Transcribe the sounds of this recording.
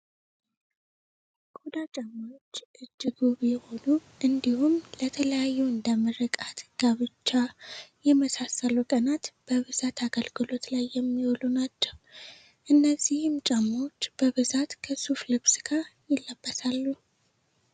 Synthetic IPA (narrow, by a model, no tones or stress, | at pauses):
kʼod̪at͡ʃʼamawot͡ʃːʔɨd͡ʒːɨɡuβjɛho̞nuʔɨnd̪ihumlət̪ʰələjajːuɨnd̪əməɾəkʼat̪ɡ̥aβɨt͡ʃːajɛməsasəlukʼənat̪b̥əβɨzat̪ʰaɡəlɡɨlo̞t̪lajːɛmːiwolunat͡ʃːɛw | ʔɨnːəzːihɨmt͡ʃʼamːot͡ʃːb̥əβɨzat̪kʰəsuflɨksɨɡ̥ajɪlːəbːəsʰalːu